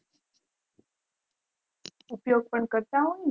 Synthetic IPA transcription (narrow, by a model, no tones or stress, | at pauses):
upjoɡ̚pəɳkəɾt̪auni